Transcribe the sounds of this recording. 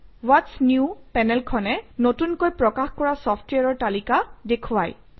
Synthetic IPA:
watsnjupɛnɛlkʰɔnɛnotunkojpɹɔkaxkɔɹasɔpʰtweaɹɔɹtalikadekʰuwaj

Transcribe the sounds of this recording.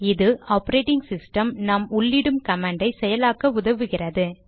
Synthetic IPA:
ɪðɯʔaːpɐɾeːʈɪŋɡsɪsʈɐmnɐmʊɭːɪɽɯmkɐmɐːɳɖɐɪsɛjɐlaːkɐʊðɐʋɯɣɪrɐðɯ

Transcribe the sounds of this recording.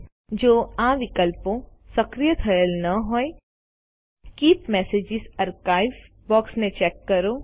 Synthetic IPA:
d͡ʒoːãːʋɪkəlpõsɐkɾijət̪ʰɐjəlnɐɦoːe | kiːpmɛːseːd͡ʒɪzɐɾkaːɪʋ | bɔːksmẽt͡ʃɛːkːɐɾoː

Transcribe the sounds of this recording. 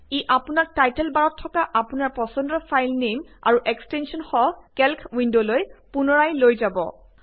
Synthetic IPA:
iʔapunak̚tajtɛlbaɹɔtʰːɔkaʔapunaɹpɔsɔndɔfʰajlnema̰ɹuʔɛkstɛnsɔnxɔkɛlkʰwindolojpunɔɹajlojzabɔ̰

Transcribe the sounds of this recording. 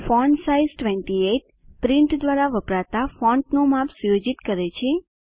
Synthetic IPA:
fɔɳɖsaizʈʋɛɳʈieʈ | pɾɪ̃ɳʈd̪ʋaɾaʋəpɾat̪afɔ̃ɳʈnomapsujod͡ʒit̪kəɾet͡ʃʰe

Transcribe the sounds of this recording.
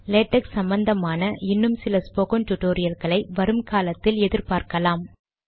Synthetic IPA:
leːʈːɐksɐmbɐnd̪ɐmaːnɐʔɪnːɯmsɪlɐspoːkɐnʈ̪ʊʈːoːɾɪjɐlɣɐɭɐɪʋɐɾɯmkaːlɐt̪ːɪlɛðɪɾpaːɾkɐlaːm

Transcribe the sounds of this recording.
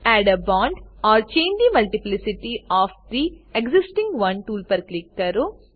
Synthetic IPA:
æːɖɐbaːɳɖaːɾt͡ʃeːɲd͡ʒd̪imɐlʈiplisiʈiaːpd̪ieksisʈĩŋɡʋɐ̃nʈuːlpɐɾklikːɐɾu

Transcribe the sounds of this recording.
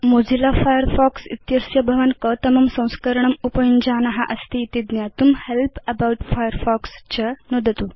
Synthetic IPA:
mod͡zilafajəɾfɔksḭt̪jɐsjɐbʱɐʋənkət̪ɐmɐmsɐ̃w̃skəɾɳ̃ɐmupɐjund͡ʑanɐɦa̰ʔɐst̪iːt̪id̪njat̪umhelpɐbawʈfajəɾfɔkst͡ɕɐnod̪ət̪u

